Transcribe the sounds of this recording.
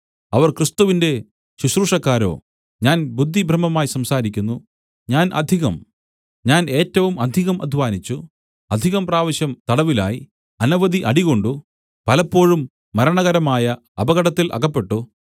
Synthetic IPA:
ɐʋɐrkrɨst̪uʋinde̞ | ɕuɕruːʂɐkːaːɾo̞̰ː | ɲaːnbud̪ʱːibʱrɐmːɐmaːjsɐmsaːɾikʲːunːu | ɲaːnʔɐ̰d̪ʱiɣɐm | ɲaːne̞ːtːɐʋumɐd̪ʱiɣɐmʔɐ̰d̪ʱʋaːnit͡ɕːu | ɐd̪ʱiɣɐmpraːʋɐɕjɐmt̪ɐɽɐʋila̰ːji | ɐnɐʋɐd̪iʔɐɽiɣo̞ɳɖu | pɐlɐpːo̞ːɻumː | ɐɾɐɳɐɣɐɾɐmaːjɐ | ɐbɐɣɐɽɐt̪ːilʔɐ̰ɣɐpːe̞ʈːu

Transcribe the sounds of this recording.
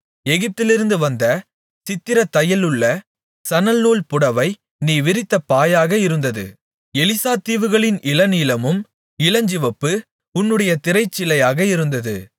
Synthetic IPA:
ɛɣɪp̚t̪ɪlɪɾɯnd̪ɯʋɐnd̪ɐ | sɪt̪ːɪɾɐt̪ːɐjɐlɯɭːɐ | sɐnɐlnuːlpʊɽɐʋɐɪ | niːʋɪɾɪt̪ːɐpːaːjaːɣɐɪɾɯnd̪ɐðɯ̰ | ɛlɪsaːt̪iːʋɯɣɐɭɪnɪlɐniːlɐmɯm | ɪlɐɲd͡ʒɪʋɐpːɯ | ʊnːɯɽɐjɐt̪ɪɾɐɪt͡ʃːɪlɐjaːɣɐɪɾɯnd̪ɐðɯ

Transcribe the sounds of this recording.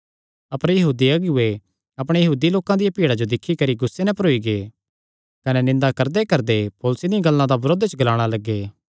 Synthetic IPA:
ɐpəɾjɐɦuːd̪iɐɡʊe | ɐpɽ̃ejɐɦuːd̪iloːkãd̪ɪjapiːɽad͡ʒod̪ɪkʰːikɐɾiɡʊsːenɛ̃pɐɾoːiɡeː | kɐnɛnɪ̃nd̪akɐɾd̪ekɐɾd̪epɔːlʊsid̪ĩɡɐlːãd̪abɾoːd̪t͡ʃəɡɐlaːɽ̃alɐɡːeː

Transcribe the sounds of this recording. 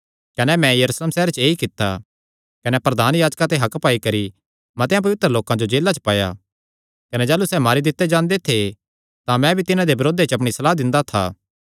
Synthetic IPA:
kɐnɛmɛ̃jɐɾuːsleːmsɛːɾt͡ʃeːikɪt̪ːa̰ | kɐnɛpɾɐd̪ʱaːnjaːd͡ʒkãt̪̬eɦɐkpaːikɐɾi | mɐt̪ejãp̬ɐʋɪt̪ɾəloːkãd͡ʒod͡ʒeːlːat͡ʃə̥paːja̰ | kɐnɛd͡ʒaːlusɛmaːɾid̪ɪt̪ːed͡ʒãːnd̪et̪ʰe | t̪ãmɛ̃bʱit̪ɪnãd̪ebɐɾoːd̪et͡ʃɐp̬ɽ̃isɐlaːd̪ɪ̃nd̪at̪ʰa̰ː

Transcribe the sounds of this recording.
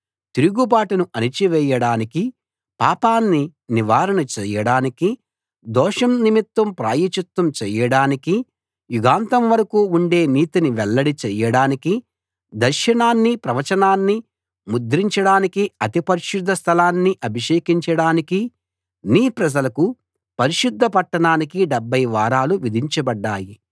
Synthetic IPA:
t̪iɾuɡubaːʈɐnuʔɐnit͡ʃiʋɛːjɐɽaːniki | paːpaːnːiniʋaːɾɐnɐt͡ʃɛːjɐɽaːniki | d̪ɔːʂɐmnimit̪wɐmpɾaːjit͡ʃɐt̪wɐmt͡ʃɛːjɐɽaːniki | juɡaːnt̪ɐmʋɐɾɐkuːuɳɖe̞ːniːt̪iniʋɛlːɐɽit͡ʃɛjɐɽaːniki | d̪ɐɾʃɐɳaːnːipɾɐʋɐt͡ʃɐnaːnːi | mud̪ɾiɲt͡ʃɐɽaːnikiɐt̪ipɐɾiʃud̪ʱːɐst̪ʰɐlaːnːiʔɐbʱiʃeːkiɲt͡ʃɐɽaːniki | niːpɾɐd͡ʒɐlɐku | pɐɾiʃud̪ʱːɐpɐʈːɐɳaːnikiɖɛbːɐjʋaːɾaːluʋid̪ʱiɲt͡ʃɐbɐɖːaːji

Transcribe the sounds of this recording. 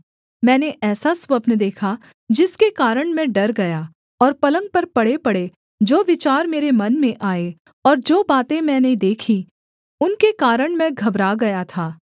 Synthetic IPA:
mɛ̃ːneʔɛːsasʋɐbnd̪eːkʰa | d͡ʒɪskekaːɾəɽ̃mẽɖɐɾɡɐja | ɔːɾpɐlə̃ŋɡ̚pɐɾpɐɽepɐɽe | d͡ʒoːʋɪt͡ʃaːɾmeːɾemɐnmẽʔaːe | ɔːɾd͡ʒoːbaːt̪ẽmɛ̃ːned̪eːkʰi | ʊnkekaːɾəɽ̃mɛ̃ɡʱɐbɾaɡɐjat̪ʰaː

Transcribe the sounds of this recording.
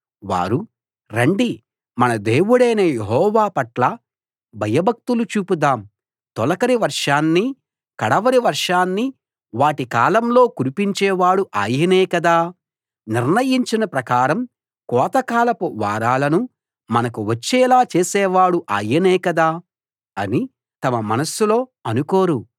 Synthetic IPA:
ʋa̰ːɾu | ɾɐɳɖi | mɐnɐd̪eːwuɽɐjnɐjeɦɔːʋaːpɐʈlɐ | bʱɐjɐbɐk̚t̪ulut͡ʃuːpud̪aːm | t̪ɔlɐkɐɾiʋɐɾʂaːnːi | kɐɽɐʋɐɾiʋɐɾʂaːnːi | ʋaːʈikaːlɐmlo̞ːkuɾipiɲt͡ʃɛːʋaːɽuʔaːjɐnɛːkɐd̪aː | niɾnɐjiɲt͡ʃinɐpɾɐkaːɾɐm | kɔːt̪ɐkaːlɐpuʋa̰ːɾaːlɐnu | mɐnɐkuʋɐt͡ʃːɛːlaːt͡ʃeːsɛːʋaːɽuʔa̰ːjɐnɛːkɐd̪aː | ɐni | t̪ɐmɐmɐ̰nɐsulo̞ːɐnuko̞ːɾu

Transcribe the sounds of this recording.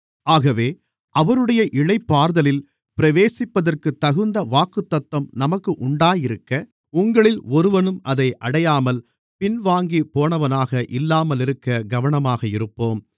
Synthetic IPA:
aːɣɐʋeː | ʔɐʋɐɾɯɽɐjɐʔɪɻɐɪpːaːɾðɐlɪl | pɪɾɐʋeːsɪpːɐðɐrkɯt̪ːɐɣɯnd̪ɐʋaːkɯt̪ːɐt̪ːɐmnɐmɐkːɯʔʊɳɖaːjɪɾɯkːɐ | ʊŋɡɐɭɪlɔɾɯʋɐnɯmɐðɐɪʔɐɽɐjaːmɐl | pɪnʋaːŋɡipoːnɐʋɐnaːɣɐʔɪlːaːmɐlɪɾɯkːɐɡɐʋɐɳɐmaːɣɐɪɾɯpːoːm

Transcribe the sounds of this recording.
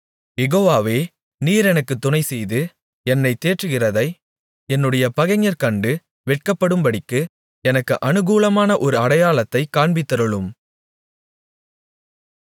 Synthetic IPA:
jɛɣoːʋaːʋeː | niːɾɛnɐkːɯt̪ːʊnɐɪsɛjðɯ | ɛnːɐɪt̪ːeːʈrɯɣɪrɐðɐɪ | ɛnːɯɽɐjɐpɐɣɐŋɐɾkɐɳɖɯ | ʋɛʈ̚kɐpːɐɽɯmbɐɽɪkːɯ | ɛnɐkːɯʔɐnɯɣuːlɐmaːnɐʔɔɾɯɐɽɐjaːɭɐt̪ːɐɪkːaːɳbɪt̪ːɐɾɯɭɯm

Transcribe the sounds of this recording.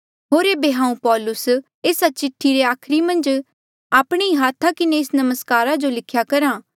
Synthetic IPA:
ɦoːɾeːbeɦãːũpɔːlʊs | eːsat͡ʃɪʈʰːiɾeaːkʰɾimɐ̃nd͡ʒ | aːpɽ̃iiɦaːt̪ʰakɪneɪsnɐməskaːɾad͡ʒolɪkʰjakɐɾãː

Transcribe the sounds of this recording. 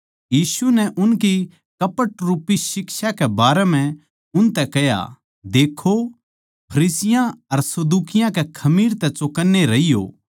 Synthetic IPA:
jiːsunɛʔʊnki | kɐpəʈɾuːpisɪkʃakɛbaːɾɛm̤ɛ̃ | ʊnt̪ɛkɐja̰ | d̪eːkʰo | pʰɐɾiːsɪjãɐɾsɐd̪uːkɪjãkɛkʰɐmiːɾt̪ɛt͡ʃʊkənːeɾɐijo̰ː

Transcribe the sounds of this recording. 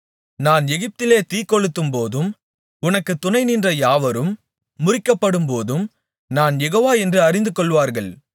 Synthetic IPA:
naːnɛɣɪp̚t̪ɪleːt̪iːkːɔɻɯt̪ːɯmpoːðɯm | ʊnɐkːɯt̪ːʊnɐɪnindrɐjaːʋɐɾɯmː | ʊrɪkːɐpːɐɽɯmpoːðɯm | naːnjɛɣoːʋaːɛndrɯɐrɪnd̪ɯkɔɭʋaːɾɣɐɭ

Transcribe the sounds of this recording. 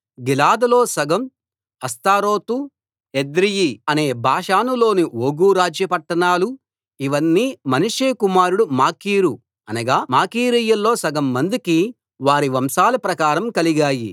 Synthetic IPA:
ɡilaːd̪ɐlo̞ːsɐɡɐm | ɐst̪aːɾo̞ːt̪u | ed̪ɾijiɐne̞ːbʱaːʂaːnulo̞ːnioːɡuːɾaːd͡ʒjɐpɐʈːɐnaːlu | iʋɐnːiːmɐnuʂeːkumaːɾuɽumaːkiːɾu | ɐnɐɡaːmaːkiːɾiːjɐlːo̞ːsɐɡɐmːɐnd̪uki | ʋaːɾiʋɐmsaːlɐpɾɐkaːɾɐmkɐliɡaːjḭ

